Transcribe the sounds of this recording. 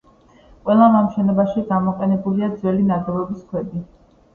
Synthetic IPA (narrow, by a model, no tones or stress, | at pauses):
qʼwɛlˠamamʃɛnɔbaʃiɡamɔqʼɛnɛbuliad̪zwɛlinad̪ɔvɛbiskʰwɛb̪i